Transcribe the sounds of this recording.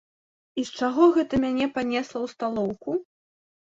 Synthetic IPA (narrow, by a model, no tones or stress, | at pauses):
ist͡ʂaɣɔɣɛt̪ɐmʲanʲɛpanʲɛslˠɐwst̪alˠɔwku